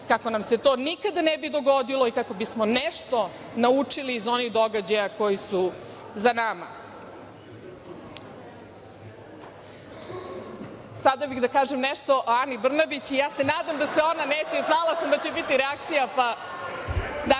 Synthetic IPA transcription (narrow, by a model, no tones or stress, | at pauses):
kako̞namse̞t̪o̞ːnikad̪anebid̪o̞ɡod̪iloikako̞bismonɛʃt̪o̞ | naut͡ʂiliːzo̞niɣd̪o̞ɡad͡ʑajako̞jisu | zanama̰ | sad̪abixd̪akaːʒemnɛʃt̪o̞ʔanibr̩nabit͡ɕijaːse̞naːd̪amd̪aseo̞naneːt͡ɕeznalˠasamd̪at͡ɕebit̪iɾeak̚t̪sijapa | d̪a